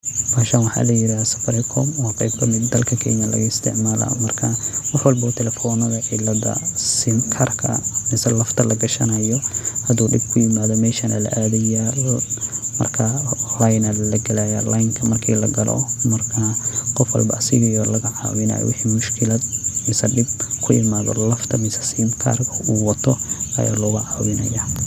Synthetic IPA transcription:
maːʃanwɑħɑ̰ːlɐjɪɾaːsɐ̥fɐɾɛkʰɔmɔːqjb̚kʰɐmɪd̪ːɐlkʰɐkʰɛ̰ːmɐlɐ̰ɣɐɪst̪ʰɪ̰ʕmaːlɐ̰mɐrkʰɐwɑħwɐlbɔːt̪ʰɛlɛfɔnɐðɐʕɪlɐd̪ɐ̰sɪnkʰɐrkʰɐ̰mɪsɐlɐft̪ʰɐlɐɡɐʃɐnɐjɔhɐd̪uːɖɪɡ̚kʰʊjɪmaːðɔmɛːʃɐnʔɐ̰lɐ̰ʔaːðɛja | mɐ̰rkʰɐlajnɐlɐɡɐlajalajŋkʰɐmɐrkʰiːlɐɡɐlɔ̰mɐrkʰɐqɔfwɐ̰lbɐ̰ɐsɪɣɪjɔrlɐɣɐʕɑ̰ːwɪnɐ̰jɔ̰wɪħiːmʊʃkʰɪlɐd̪mɪsɐɖɪb̚kʰʊjɪ̰maːðɔ̰lɐft̪ʰɐmɪsɐ̥simkʰɐ̰rkʰɐuːwɐt̪ʰɔʔɐ̰ja̰ːlɔːɣʊʕɑːwɪnɐ̰jaː

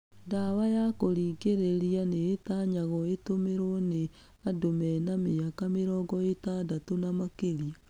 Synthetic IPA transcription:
ndawajakoɾiːɡeɾeɾijaneːtaɲaɣɔetomeɾone | adomɛnameakameɾɔːɡɔetadatonamakeɾia

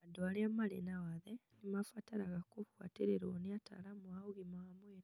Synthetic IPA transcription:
adoaljamalḛnawaðe | nimafataɾaɣakuβwa̰tiɾeɾo̰niata̰lamwauɣimwamweːɾ

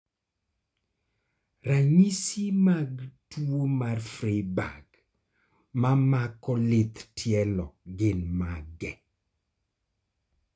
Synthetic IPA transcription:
raɲisimaɡtuomarfɾeba̰ɡ | mamakɔlɪt̪tʰjɛlɔɡɪnmaɡɛ

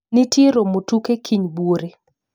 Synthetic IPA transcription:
nitɪɾomotukekʰiɲbuoɾe

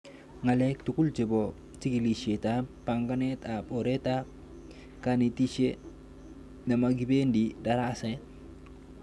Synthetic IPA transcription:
ŋalek̚tukult͡ʃebo | tikiliʃetapaŋɡanetapoɾeta | kanitiʃe | namaɡibendidaɾase

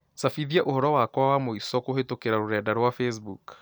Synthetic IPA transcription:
safiðiaʔohɔɾɔwakwawamoisɔkohetokeɾaɾoɾɛːdaɾwafɛs̬buk

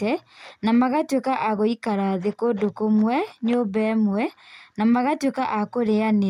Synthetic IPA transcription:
ɛnamaɣatwekaʔaɣoikaɾaðekodokomwɛɲobɛmwɛnamaɣatwekaʔakoɾeane

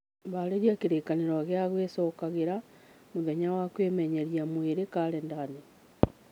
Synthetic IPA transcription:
βaleɾjakeɾeːkaneɾaɣjaɣwesokaɣeɾa | muðeɲawakweːmeɲeɾjamweɾekaɾendane

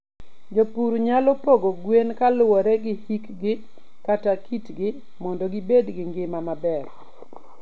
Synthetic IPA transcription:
d͡ʒopuɾuɲalɔpoɡoɡwenkalʊwɔɾɛɡɪhikɡɪ | katakitɡɪ | mɔndɔɡɪbedɡɪŋɡɪmamabɛr

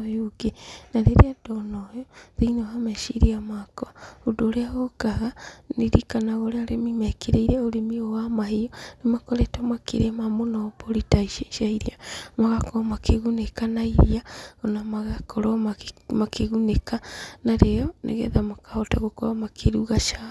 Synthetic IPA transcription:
oɡenaɾeɾeadɔnɔjɔðiinɔhamɛʃiɾiamakɔaodoːɾeaɣokaɣaneɾikanaɣɔɾeaɾemimɛkeɾeiɾeaoɾemiowamahiɔnemakɔɾetamakḛɾemamonapoɾitaiʃaʃaiɾiamaɣakɔmakeɣunekanaiɾiaonamaɣakʰɔɾɔmamakʰeɣunekanaɾeɔnʔḛɣɛ̰ðamakahɔta̰ɣokɔɾamakʰeɾuɣaʃa

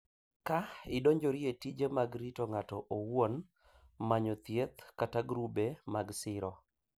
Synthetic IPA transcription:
kaɪdoɲd͡ʒɔɾietid͡ʒemaɡɾitoŋatɔʔowwon | maɲɔt̪jet̪kataɡɾubemaɡsɪɾɔ

